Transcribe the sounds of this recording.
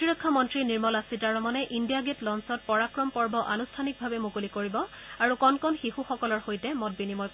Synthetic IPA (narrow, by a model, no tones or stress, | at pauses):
ɔtiɹɔkʰːamɔntɹiniɹmɔlasitaɹɔmɔnɛʔindijaɡetlɔnsɔt̚pɔɹakɹɔmpɔɹbɔʔanustʰanik̚bʱabɛmukulikoɹibɔ | aɹukɔnkɔnxihuxɔkɔlɔɹxojtɛmɔt̚binimɔj